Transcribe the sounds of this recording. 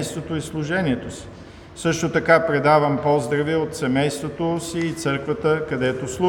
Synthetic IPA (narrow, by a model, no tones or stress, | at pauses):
jst̪vot̪oislˠʊʒɛniɛt̪osi̥ | sɤʃt̪ot̪ɐkapɾɛd̪avəmpɔzd̪ɾɐviot̪sɛmɛjst̪vot̪osiːt̪sɤɾkvət̪əkɐd̪ɛt̪oslˠu